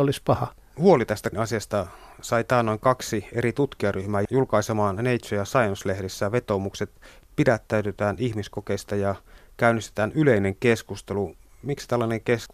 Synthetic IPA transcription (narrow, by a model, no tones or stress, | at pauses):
olispɑhɑ | huolit̪æst̪æɑsiɑst̪ɑ | sɑit̪æːnːoŋkɑksieɾit̪ut̪kiɑryhmæːjulkɑisemɑːnneit̪sojɑsɑjonslehdesːæʋet̪omukset̪pidæt̪ːæyt̪øt̪æːnʔihmiskokeist̪ɑjɑkæynːist̪e̥t̪æːnyleineŋkeskust̪elumikst̪ælːɑneŋkesk